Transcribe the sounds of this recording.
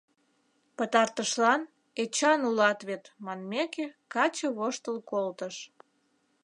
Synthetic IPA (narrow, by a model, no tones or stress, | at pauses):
pət̪ɑrt̪əʃlɑn | et͡ɕɑnulɑt̪βet̪mɑnmekekɑt͡ɕəβoʃt̪əlkolt̪əʃ